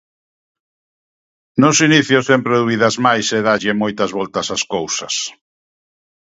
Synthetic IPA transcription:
nʊsiniθjʊsempɾeðuiðɐzmajseðaʎemojt̪ɐzβɔlt̪ɐsaskowsɐs

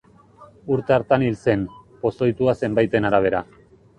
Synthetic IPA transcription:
uɾt̪e̞aɾt̪anilse̞npo̞so̞jt̪uase̞mbajt̪e̞naɾaβ̞e̞ɾa

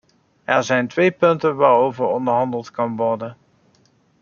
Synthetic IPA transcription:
ɛɹzɛjntʋejpɵntənʋaːɹowvəɹɔndəɹɦɑndəlˠtkɑnʋɔɹdən

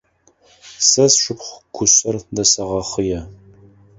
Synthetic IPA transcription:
sɐsʃɨpχʷɡʷʰʊɕʼɐrdɐsɐʁɐχəjɛ

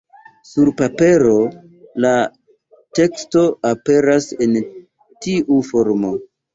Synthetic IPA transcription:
suɾpape̞ɾo̞ | la | te̞ksto̞ape̞ɾasen | tiʔufo̞ɾmo̞

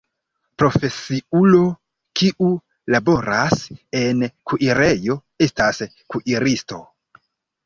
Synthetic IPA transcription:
pɾo̞fe̞siulo̞ | kiʔu | labo̞ɾase̞nkʰuʔiɾe̞jo̞ | e̞stas | kuʔiɾisto̞

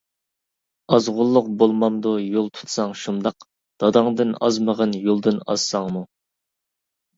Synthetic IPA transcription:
ɑzʁʊlˠːʊqbolˠmɑmd̪ujolˠt̪ʰu̥t̪ʰsɑŋʃund̪ɑq | d̪̥ɑd̪ɑŋd̪ɨnɑ̰zməʁənjolˠd̪ɨnɑ̰z̥sɑŋmu

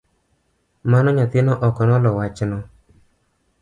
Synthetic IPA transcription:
manɔɲat̪ɪnɔʔɔkɔnɔlɔwat͡ʃnɔ

